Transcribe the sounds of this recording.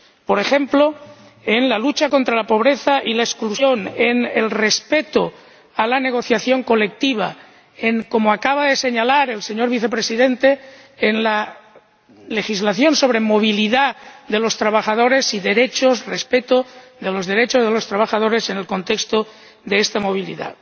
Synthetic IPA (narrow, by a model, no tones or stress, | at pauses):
po̞ɾexemplo | enlalut͡ʃako̞nt̪ɾalapo̞β̞ɾeθaʔilaesklusjo̞nenelrespet̪o | alane̞ɣ̞o̞θjaθjo̞ŋko̞lek̚t̪iβ̞a | eŋko̞moakaβ̞aðe̞se̞ɲalaɾe̞lseɲo̞ɾβiθe̞pɾesiðe̞nt̪eː | nla | le̞xizlaθjo̞nso̞β̞ɾe̞moβ̞iliðaðe̞lo̞st̪ɾaβaxað̞oɾe̞siðe̞ɾet͡ʃosrespet̪oðelo̞zðe̞ɾet͡ʃozð̞elo̞st̪ɾaβ̞axað̞o̞ɾesene̞lko̞nt̪ekst̪o | ðeest̪amo̞β̞ilḭða̰